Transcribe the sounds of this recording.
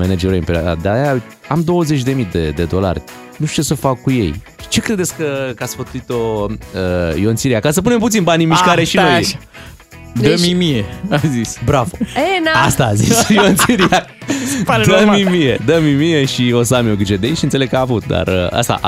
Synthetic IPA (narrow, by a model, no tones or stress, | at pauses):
mened͡ʒeɾoj̰mpeɾoa̰d̪a̰d̪aja | amd̪o̞wəze̞t͡ʃʲd̪e̞mid̪ed̪e̞d̪o̞la̰rʲ | nuʃt̪ujesəfakːuje̞̰jʃi̥t͡ʃe̞kɾe̞d̪eskəkat̪sfət̪uit̪oəjontsiɾiakasəpune̞mput̪inbanimiʃkaɾeʃinoj | d̪əmimieazisbɾavoeast̪aːzisjont̪ssiɾia | d̪əmimijed̪əmimieʃio̞səamioɡid͡ʒed̪ejʃiɨnse̞leɡkəaːvut̪̚d̪a̰rəa̰st̪a̰ʔ